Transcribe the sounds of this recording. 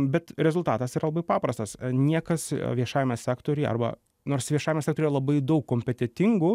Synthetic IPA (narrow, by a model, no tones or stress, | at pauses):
bʲɛt̪ɾʲɛzʊlˠt̪ɑːt̪ɐsiːɾɐlˠɐbɐɪpɑːpɾɐst̪ɐsnʲiɛkɐsʋʲiɛʃɑːjɛmʲɛsʲæːkt̪oːɾʲʊjɐ̰rbɐ̰ | noːrsʋʲiɛʃɑːjɪmʲɛsʲæktoɾʲɾɐlˠɐbɐɪd̪ɐʊkːoːmʲpʲɛt̪ʲɛt̪ʲɪŋɡʊ